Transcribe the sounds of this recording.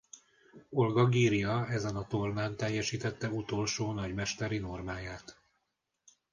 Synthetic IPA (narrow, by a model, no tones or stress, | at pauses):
o̞lɡɒɡiːɾijɒɛzɛnɒt̪o̞rnaːnt̪ɛjːɛʃiːt̪ɛt̪ːɛut̪o̞lʃoːnɒɟmɛʃt̪ɛɾino̞rmaːjaːt̪